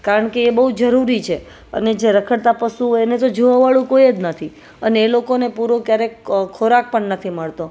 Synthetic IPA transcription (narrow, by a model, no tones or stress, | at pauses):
kaɾəɳkeːbəɦud͡ʒəɾuɾit͡ʃʰe | ə̰ned͡ʒeɾəkʰəɽt̪apəsuenet̪od͡ʒoʋaʋaɭũkoied͡ʒnət̪ʰi | əneːlokonepuɾokjaɾekkʰoɾak̚pəɳnət̪ʰiməɭt̪o